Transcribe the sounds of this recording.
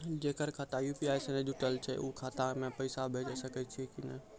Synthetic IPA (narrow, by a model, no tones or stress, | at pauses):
d͡ʒekəɾkʰat̪ajupiaːjsənẽd͡ʒuʈəlt͡ʃʰɛ̰ʔukʰat̪amẽpəɪsabʱed͡ʒəsəkɛt͡ʃʰikinə̰